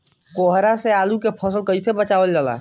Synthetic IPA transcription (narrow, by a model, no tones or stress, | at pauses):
koɦɾaseaːlukepʰəs̬əlkəisebət͡ʃaːʋəld͡ʒaːla̰